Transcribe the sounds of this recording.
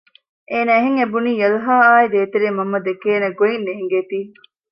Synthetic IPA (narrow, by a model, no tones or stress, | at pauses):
ʔeːnæːɦeŋebuniːjɐluɦaːaːid̪eːt̪eɾiːmɐmːɐd̪ekeːnɐɡoinːeŋɡeːt̪iː